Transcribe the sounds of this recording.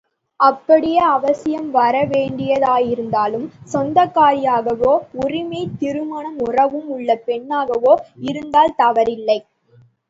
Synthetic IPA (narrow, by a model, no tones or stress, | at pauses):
ɐpːɐɽɪjɐɐʋɐsɪjɐmʋɐɾɐʋeːɳɖɪjɐðaːjɪɾɯnd̪aːlɯmsɔnd̪ɐkːaːɾɪjaːɣɐʋoːʊrɪmɐɪt̪ːɪɾɯmaːnɐmʊrɐʋɯmʊɭːɐpɛɳːaːɣɐʋoːɪɾɯnd̪aːlt̪ɐʋɐɾɪlːɐɪ